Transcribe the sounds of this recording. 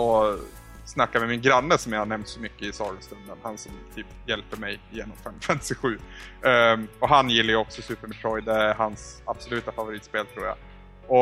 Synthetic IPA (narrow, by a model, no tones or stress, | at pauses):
ɔ | snakːaɾvmɛmɪnɡɾanːəsɔmjahaɳɛmt̪sɔmʏkːəɪsɑləst̪ɵnd̪ənhansɔmt̪ʰyːpjɛlpəɾmɛjɪjeːnɔmfɛmːfɛmt̪ɪɧʉ̟ː | ɔɦanjɪlːajəɔksɔsʉːpəɾmɛt̪ʰɾɔjd̪hansab̥sɔlʉ̟ːt̪afavʊɾiːt̪speːlt̪ʰɾuːja̰ | ɔ